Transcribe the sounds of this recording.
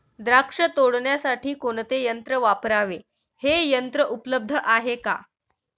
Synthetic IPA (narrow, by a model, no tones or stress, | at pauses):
d̪ɾakʂət̪oɽɳjasaʈʰiːkoɳt̪ejənt̪ɾəʋapɾaʋe | hejənt̪ɾəʔupləb̚d̪ʱəʔaɦeka̰